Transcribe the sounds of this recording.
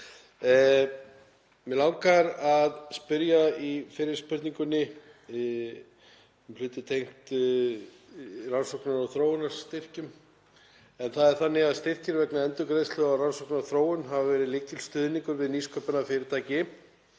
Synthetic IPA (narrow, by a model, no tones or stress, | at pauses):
mɛlawkaɾaðspʏɾjaifɪːɾɪɾ̥spʏɾt̪niŋkʏnːɪ | ɛml̥ʏːt̪ɪt̪ʰejŋ̥t̪ | ransowknaɾɔθɾoːwʏnaɾ̥st̪ɪr̥cʏm | ɛnθaðɛɾ̥θanːɪɣaðst̪ɪr̥cɪɾvɛknaɛnt̪ʏkɾeðslɛɣaransowknaθɾoːwʏnɦavavɛːɾɪlɪcɪlst̪ʏːðniŋkʏɾvɪðniskʰœpʏnafɪɾɪɾt̪ʰaːjcɪ